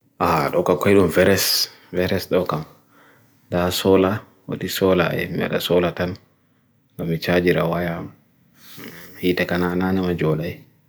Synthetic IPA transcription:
ʔaɗɔkakɔjɗumvɛɾɛs | vɛɾɛsɗɔkam | dasɔla | wa̰tisɔla̰ɛ̰mia̰ɗa̰sɔlatan | dɔmit͡ʃad͡ʒiɾawaja | hitɛkanananɛmad͡ʒɔlaj

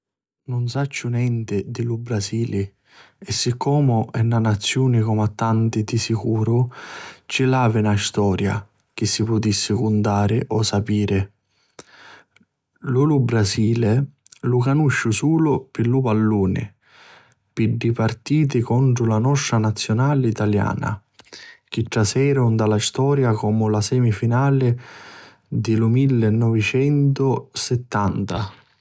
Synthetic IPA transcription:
nʊnsat͡ʃːʊnjɛnt̪ɪd̪ɪlubɾaziːlɪ | ɛsːikʰːɔːmʊɛnːanat̪sːjuːnɪkɔmat̪ːant̪ɪd̪isikuːɾʊ | t͡ʃilaːvɪnast̪ɔːɾja̰ | k̟ɪsːipʊt̪isːɪkʊnd̪aːɾɪʔɔsːapiːɾɪ | lulubɾaziːlɪ | lukanuʃːʊsuːlʊpɪlːupalːuːnɪ̰ | pɪɖːipart̪iːt̪̬ɪkɔɳt̪ɾʊlanɔʂːanat̪sːjonaːlit̪alja̰ːna̰ | k̟ɪʈ̪ːɾasɛːɾʊnd̪alast̪ɔːɾjakɔːmʊlasɛːmifinaːlɪ | d̪ɪlʊmilːɪnːɔvɪt͡ʃɛnt̪ʊsɪt̪ːant̪a

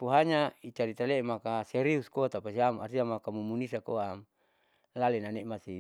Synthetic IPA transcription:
puɦaɲait͡ʃaɾit̪alemakaseɾiuskoat̪apasiamarsiamakamumunisakoam | lalenanemasi

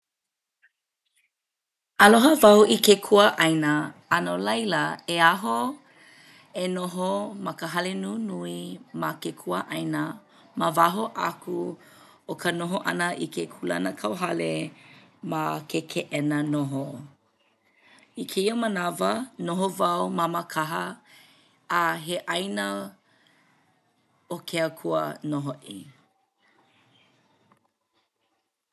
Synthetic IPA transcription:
ɐloɦəvɐuʔikekʰuəʔɐjnəɐnolɐjlɐeaɦo | enoɦomɐkəɦɐlenunuimɐkekʰuəʔɐjnə | məvaɦoʔa̰kʰu | okənoɦoʔɐ̰nəʔikʰekʰulɐ̰nəkʰɐwɦɐle | makʰekʰeʔɛnənoɦo | ikʰeiəmənavənoɦovɐwmaməkʰaɦə | ɦeʔɐjnə | okʰeəkʰuə̰noɦoʔḭ

